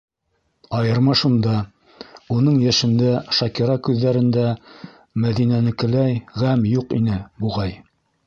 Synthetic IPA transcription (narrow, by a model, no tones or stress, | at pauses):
ɑjɤ̆ɾmɑʃund̪ɑ | unɤɴjæʃɘ̆nd̪æʃɑkiɾɑkʉðːæɾɘ̆nd̪æ | mæðinænɘ̆kɘ̆læjʁæmjuqḭnɘbuʁɑj